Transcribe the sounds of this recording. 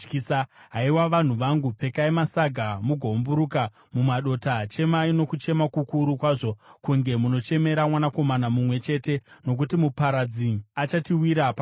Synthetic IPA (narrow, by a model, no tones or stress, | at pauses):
kisaɦaiwaʋan̤uʋaŋɡup͡fe̞kaimasaɡʱamuɡʱo̞mvuɾuka | mumaɗo̞tat͡ʃe̞maino̞kut͡ʃe̞makukuɾukwaːʐo̞kuŋɡe̞muno̞t͡ʃe̞me̞ɾamwanako̞manamumwe̞t͡ʃe̞te̞no̞k̬utimupaɾad͡ziat͡ʃatiwiɾapa